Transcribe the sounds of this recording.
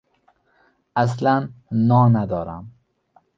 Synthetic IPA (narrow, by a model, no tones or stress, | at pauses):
as̬lanːɒːnad̪ɒːɾæ̰m